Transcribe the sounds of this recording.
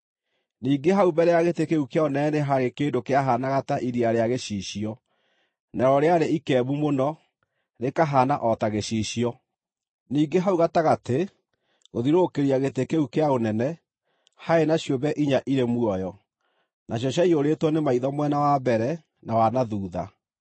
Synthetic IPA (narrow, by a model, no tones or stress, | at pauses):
niːɡeɦaubɛɾɛjaɣetekeukeaonɛɛneɦaɣekeːndokeaɦanaɣataʔiɾiaɾeaɣeɕiːɕiɔ | nɛɾɔɾeaɾeikɛːβumonɔ | ɾekaɦanaʔɔtaɣeɕiːɕiɔ | niːɡeɦauɣataɣate | ɣoðiɾokeɾiaɣetekeukeaonɛnɛ | haenaɕjobɛʔiɲaʔiɾemwɔjɔ | nʔaɕjɔɕjaioɾetwɔnemaiðɔmwɛnawabɛɾɛ | nawanaðuːða